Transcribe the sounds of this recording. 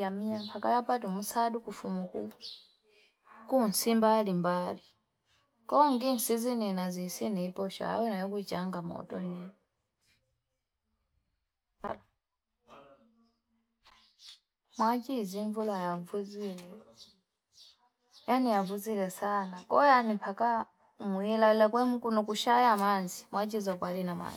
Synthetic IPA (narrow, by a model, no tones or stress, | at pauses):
amiɲampakajapatumusaːdukufumuku | kunsimbalimbali | koŋɡinsizininazisinipoʃa̰a̰wenajokucaŋɡamo̰to̰nen | mwat͡ʃiziɱvulajavuzilɛ | janijavuzilɛsanakɔjanipʰaka | muilalakwɛmkunɔkuʃajamanzimwat͡ʃizakwalinama̰ni